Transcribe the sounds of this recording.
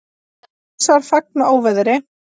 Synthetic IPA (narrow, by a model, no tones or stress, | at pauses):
saɾ̥fak̚naoːwvɪðɾɪ